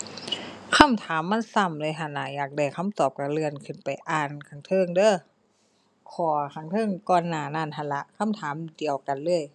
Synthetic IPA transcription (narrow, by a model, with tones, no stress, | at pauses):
kʰa˧˥˨mt̪ʰaː˨˦mːa˧˥˨nsa˧˩˨mlɤː˧˨jɦa˧˩nːaː˧˩jaː˨˩k̚da˧˩kʰa˧˥˨mt̪ɔː˨˩p̚ka˧˩lɯ˧ənkʰɯ˧˩npa˨˩jʔaː˧˩˨nkʰa˧˩˦ŋt̪ʰɤː˧˨ŋdɤː˧˥˨ | kʰɔː˧˩kʰa˧˩ŋt̪ʰɤː˧˨ŋkɔː˧˩nːaː˧˩na˧˩˨nɦa˧˩nla˧˦ʔkʰa˧˥˨mt̪ʰaː˨˦mdi˨əwka˨nlɤː˧˩əj